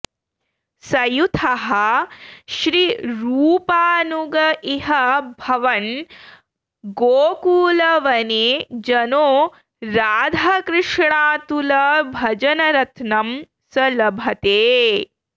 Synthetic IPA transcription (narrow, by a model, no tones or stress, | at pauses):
sɐjut̪ʰɐɦɐ | ʃɾiɾuːpaːnuɡɐʔiɦɐbʱɐʋɐn | ɡoːkuːlɐʋɐned͡ʒɐnoː | ɾaːd̪ʱɐkɾɪʂɳaːt̪ulɐbʱɐd͡ʒɐnɐɾɐt̪nɐm | sɐlɐbʱɐt̪eː